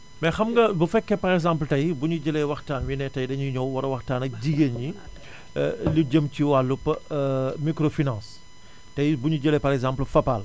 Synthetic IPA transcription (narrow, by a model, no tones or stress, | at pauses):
mɛxɐmɡɐbufɛkːɛpɐɾɛɡzãmpltɐjbuɲuɟɐlɛwɐxtaːnwinɛtɐjdɐɲuɲɔwwɐɾɐwɐxtaːnɐk̚ɟiɡeɲi | luɟəmciwalːup | mikɾofinãːs | tɐjbuɲuɟəlɛpɐɾɛkzãmplfɐpal